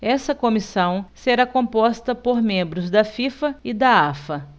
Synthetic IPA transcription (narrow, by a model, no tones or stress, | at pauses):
ɛsɐkõmisɐ̃w̃seɾakõpɔst̪ɐpoɾmẽmbɾʊzd̪ɐfifɐɪd̪ɐafɐ